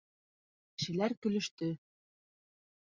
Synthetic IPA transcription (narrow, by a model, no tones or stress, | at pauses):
ʃɘ̆læɾkɵ̆lɵ̆ʃt̪ɵ